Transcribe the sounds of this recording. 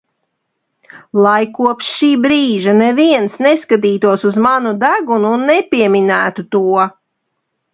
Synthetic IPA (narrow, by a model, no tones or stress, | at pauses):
lˠajkuɔpsʃiːbɾiːʒanɛviɛnsneskat̪̬iːt̪uɔsuzmanud̪æɡunuːnːɛpʲiɛminæːt̪ut̪uɔ